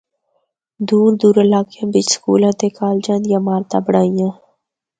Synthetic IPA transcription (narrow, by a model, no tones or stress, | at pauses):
d̪uːɾd̪uːɾəlaːkjãːbɪt͡ʃskṵːlãt̪eːkaːld͡ʒãːnd̪jãːmaːɾt̪ã̰ːbəɽaːijãː